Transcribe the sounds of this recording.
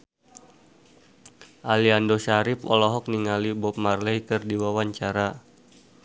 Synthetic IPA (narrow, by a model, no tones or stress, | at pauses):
ʔaliandoʃaɾɪpɔlɔɦɔk̚niŋalibɔp̚marlɛikɨrdiwawaɲt͡ʃaɾa